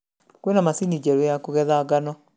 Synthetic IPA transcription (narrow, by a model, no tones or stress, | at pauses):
kwenamasinid͡ʑɛɾojakoɣɛðaɣanɔ